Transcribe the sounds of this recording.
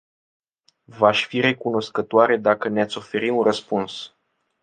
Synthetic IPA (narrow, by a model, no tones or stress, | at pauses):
vaʃʲfiɾe̞kuno̞skət̪oaɾe̞d̪akəneat̪sʲo̞fe̞ɾiunrəspuns